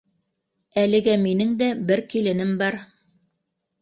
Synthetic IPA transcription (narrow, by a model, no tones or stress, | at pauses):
ælɘ̆ɡæminɘŋd̪æbɘɾkilɘ̆nɘmbɑɾ